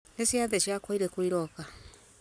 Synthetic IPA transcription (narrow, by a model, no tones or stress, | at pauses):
nesiaðeʃiakɔiɾekwiɾɔka